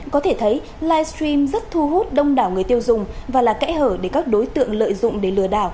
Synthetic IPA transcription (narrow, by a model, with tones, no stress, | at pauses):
kɔ˨˦t̪ʰe˧˩t̪ʰə˨˦j | laː˧jst̪ɾi˧mzə˦˥t̚t̪ʰu˧ɦu˦˥t̚ɗə˧wŋ͡mɗaː˧˩wŋɨ˨˩əjt̪i˧əwzʊ˨˩ŋ͡mvaː˨˩laː˨˩kɛ̰˧˥həː˧˩ɗe˧˩kaː˦˥k̚ɗo˨˦jt̪ɨ̰˧˨əŋlə̰ː˧˨jzʊ̰˧˨ŋ͡mɗe˧˩lɨ˧˩əɗaː˧˩w